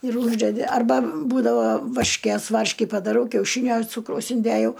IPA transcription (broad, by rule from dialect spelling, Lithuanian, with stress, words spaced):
ɪr ˈuːʒʲdʲɛdʲɪ ɐrˈbɐ ˈbuːdɐʋoː ʋɐrʲʃʲˈkʲeːs ˈʋɐrʲʃʲkʲɪ pɐdɐˈrɐʊ kʲɛʊˈʃʲiːnʲoː ˈt͡suːkrɐʊs ɪnʲˈdʲeːjɛʊ